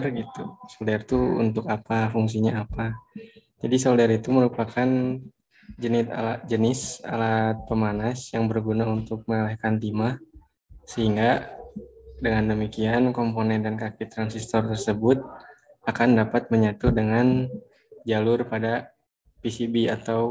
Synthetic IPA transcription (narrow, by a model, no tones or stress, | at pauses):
rɡit̪usoldɛrt̪uṵnt̪ʊkapafuŋs̬iɲaːpa | d͡ʒadisoldɛɾit̪uməɾupakan | d͡ʒənɪt̪a̰lad͡ʒənɪsa̰lat̪̚pəmanasjaŋbərɡunaunt̪ʊk̚məŋalɛhkant̪ima | səɦiŋɡa | dəŋandəmikiankomponɛndankakit̪ːɾansist̪ɔrt̪ərsəbʊt̪̚ | akandapat̪̚məɲat̪udəŋan | d͡ʒalʊrpada | pisibiat̪aw